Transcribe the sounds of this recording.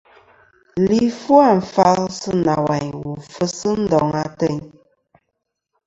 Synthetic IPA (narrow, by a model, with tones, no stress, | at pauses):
li˦fu˦a˦˨ɱ̩˨fa˦lsɨ˦na˨wa˨ɲwu˨fə˦sə˦n̩˦dɔ˨ŋa˦tɛ˦˨ɲ